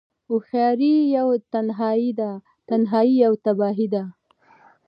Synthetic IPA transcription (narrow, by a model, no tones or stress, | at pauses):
ʊxjɑɾijawt̪anɦɑid̪a | t̪anɦɑijawt̪abɑɦid̪a